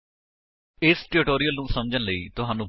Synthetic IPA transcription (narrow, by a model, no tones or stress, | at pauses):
ɪsʈɪɾɪʈoːɾijəlnũːsəmd͡ʒənləḭːt̪ʊɦaːnũː